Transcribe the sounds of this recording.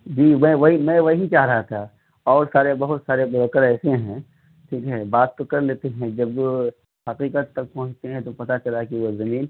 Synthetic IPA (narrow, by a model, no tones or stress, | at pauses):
d͡ʒiːʋɛ̃ʋɐɦimɛ̃ʋɐɦit͡ʃaːɦɾɐɦat̪ʰa | ɔːɾsaːɾebɐɦʊt̪saːɾebʊɾoːkəɾɛːseɦɛ̃ | ʈʰiːkɦɛbaːt̪ːokɐɾleːt̪eɦɛ̃d͡ʒɐb | hɐqiːqət̪ːɐk̚pɔ̃ɦːt͡ʃt̪eɦɛ̃t̪opɐt̪at͡ʃɐlakiʋozɐmiːn